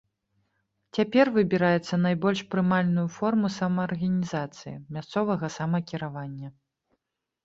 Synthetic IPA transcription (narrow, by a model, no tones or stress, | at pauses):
t͡sʲapʲɛrvɨbʲiɾajɛt̪sːɐnajbɔlʲʂpɾɨmalʲnujufɔrmusamɐːrɣɐnʲizat̪sɨjḭmʲast̪sɔvɐɣɐsamɐkʲiɾavanʲːɐ